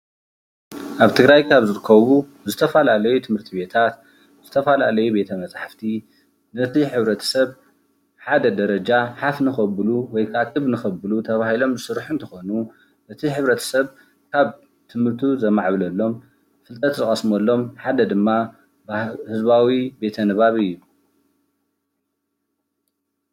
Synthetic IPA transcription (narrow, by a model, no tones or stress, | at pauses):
ʔaβt̪ʰɨɡɾajkʰaβzɨɾɨkʰːɐβu | zɨt̪ʰɐfɐlalɐjut̪ʰɨmhɨɾt̪ʰibe̞t̪ʰat̪ | z̥ɨt̪ʰɐfɐla̰lɐjube̞t̪ʰɐmɐt͡sʼħaft̪ʰi | nɨt̪ʰiħɨβɾɐt̪ʰɐ̥sɐβ | ħad̪ɐd̪ɐɾɐd͡ʒaħafnɨxɐbɨluwɔjkʰat̪ʼɨβnɨxɐbɨlut̪ʰɐβahilo̞mzɨsɨɾħunt̪ʰɐxo̞nu | ʔɨt̪ʰiħɨβɾɐt̪ʰɐ̥sɐβ | kʰaβ | t̪ʰɨmɨɾt̪ʰuzɐmaʕβlɐlːo̞m | fɨlt̪ʼɐt̪zɨχʼɐsmolːo̞mħad̪ɐd̪ɨmːa | bhɨzbawibe̞t̪ʰɐnɨβaβɨjːu